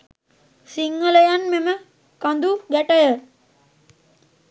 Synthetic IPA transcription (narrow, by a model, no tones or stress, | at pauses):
siŋːələjanmemə | kand̪uɡæʈəjə